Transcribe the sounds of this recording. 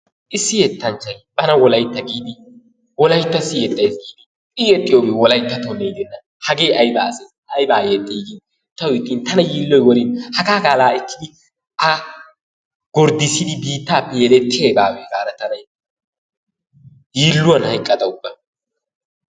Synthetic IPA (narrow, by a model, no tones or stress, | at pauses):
ʔɪsːɪjɛt̪ːɐnt͡ʃːɐjb̥ɐnɐwɔlɐjt̪ːɐɡiːd̪ɪ | wɔlɐjt̪ːɐsːɪjɛt̪ʼːɐjsɡiːd̪ɪɪjɛt̪ʼːɪjoːbewɔlɐjt̪ːɐt̪ɔnɛjd̪ɛnːɐ | hɐɡeːʔɐjbaːse | ɐjbaːjɛt̪ʼːiːɡin | t̪ːɐwʊjɪt̪ʼːiːnt̪ɐnɐjiːlːɔjwɔɾɪnhɐɡaːɡaːlaːɪkːɪd̪ɪ | ʔɐ | ɡ̥ɔɾd̪ɪsɪd̪ɪbiːt̪ːaːpːɛjɛlɛt̪ːɪjɛjbaːweːɡaːɾɐt̪ɐnɐj | jiːlːʊwɐnhɐjkʼːɐd̪ɐʊbːɐ